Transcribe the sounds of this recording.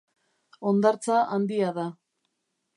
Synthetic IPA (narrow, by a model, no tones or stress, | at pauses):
o̞nd̪aɾt͡saʔand̪iaða